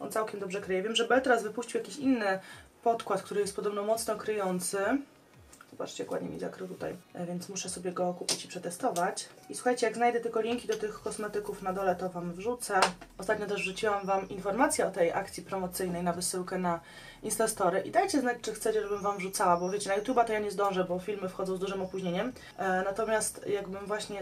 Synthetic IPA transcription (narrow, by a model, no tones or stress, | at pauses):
ʔɔ̰nt̪sawkʲɛmd̪ɔbʐɛkɾɘjɛvʲjɛmʐɛbɛlt̪ɛɾazvɘpuɕt͡ɕiwjakʲiɕinːɘpɔt̪kwat̪kt̪uɾɘjɛst̪pɔd̪ɔbnɔmɔt̪snɔkɾɘjɔnt̪sɘ | z̥ɔba̰t͡ʂt͡ɕɛkwa̰d̪ɲḛmʲḭza̰kɾɨwt̪ut̪a̰jvʲjɛntsmuʂɛsɔbʲjɛɡɔkupʲit͡ɕipʂɛt̪ɛst̪ɔvat͡ɕiswuxajt͡ɕɛjaɡznajd̪ɛt̪ɘlkɔlʲiŋkʲid̪ɔt̪ɘxkɔsmɛt̪ɘkufnad̪ɔlɛt̪ɔvamvʐut̪sɛɔst̪at̪̚ɲɔt̪ɛʐvʐut͡ɕiwamvamʔinfɔɾmat̪sʲjɛɔt̪ɛjʔa̰kt̪sʲjipɾɔmɔt̪sɘjnɛjnavɘsɘwkɛna | int̪ast̪ɔɾɘʔḭd̪ajt͡ɕɛznat͡ɕt͡ʂɘxt̪sɛt͡ɕɛʐɛbɘmvamvʐut̪sawabɔvʲjet͡ɕɛnajut̪ʲjubat̪ɔjaɲɛzd̪ɔ̃w̃ʐɛbɔfʲilmɘfxɔd̪zɔ̃zd̪uʐɘmɔpuʑɲeɲɛm | nat̪ɔmʲjast̪jaɡbɘmvwaɕɲɛ